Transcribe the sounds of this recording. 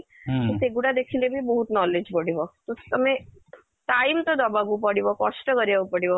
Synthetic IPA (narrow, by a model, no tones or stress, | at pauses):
t̪ɔseɡuɽad̪ekʰilebʱibəɦut̪nɔled͡ʑpəɽibɔt̪ɔt̪əmẽ | ʈaimt̪ɔd̪ɔbaɡupəɽibɔkɔʂʈəkəɾjaʋupəɽibɔ